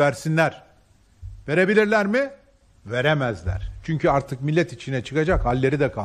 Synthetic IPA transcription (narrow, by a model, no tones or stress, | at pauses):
æɾsinlʲæɾ̥ | ve̞ɾe̞bilʲiɾlʲæɾmɪ | ve̞ɾemæzlʲæ̰ɾ̥t͡ʃʰyɲcʰyaɾt̪ʰɯk̚milʲːɛt̪it͡ʃʰinɛt͡ʃʰɯkad͡ʒakhalʲːe̞ɾid̪ɛkʰa